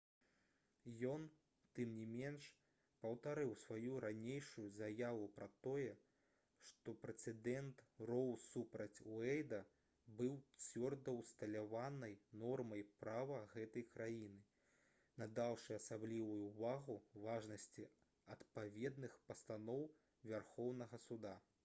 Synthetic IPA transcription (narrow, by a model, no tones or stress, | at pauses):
jɔn | t̪ɨmnʲimʲɛnʂ | pɐwt̪aɾɨwsvajuɾanʲejʂujuzajavupɾɐt̪ɔjɛ | ʂt̪ɔpɾɛt̪sɛd̪ɛnt̪rɔwsupɾɐt͡sʲwɛjd̪ɐ | bɨwt͡sʲvʲɔrd̪ɐwst̪ɐlʲavanɐjnɔrmɐjpɾavɐɣɛt̪ɐjkɾajinɨ | nɐd̪awʂɨɐsablʲivujuvaɣuvaʐnɐsʲt͡sʲi | ɐt̪pavʲɛd̪nɨxpɐst̪anɔw | vʲarxɔwnɐɣɐsud̪a